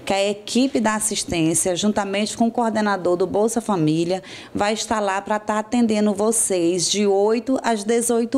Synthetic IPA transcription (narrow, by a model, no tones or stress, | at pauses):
kɪɐekipɪd̪ɐasiʃt̪ẽsjɐʒũt̪ɐmẽnt͡ʃɪ̥kõʊkoɾd̪enad̪oɾd̪ʊbowsʊɐfamiliɐ | vajiʃt̪alapɾɐt̪aɾat̪ẽnd̪ẽnd̪ʊvosejzd͡ʒɪojt̪ʊʔazd̪ezojt̪ʊ